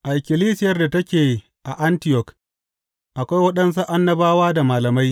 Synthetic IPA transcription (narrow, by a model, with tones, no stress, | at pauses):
ʔa˨ʔɪ˨kʲɪ˨liː˦sɪ˦jɐ˦rda˨tɐ˦kʲeː˨ | ʔa˨ʔa˦ntɪ˦jɔ˨k | ʔa˨kʷa˦jwɐ˦ɗɐ˦ns̬u˦ʔa˦nːɐ˦baː˦waː˦da˨maː˨lɐ˨ma˦j